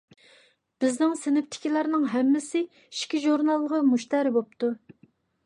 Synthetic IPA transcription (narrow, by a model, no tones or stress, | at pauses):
b̥ɪznɪŋsɪnɪp̚t̪ʰɪ̥kʲʰilɑɾnɨŋɦɛmːɪsɪ | ʃkʲiʒuɾnɑlˠːəʁəmuʃt̪ɛɾɪbop̚t̪u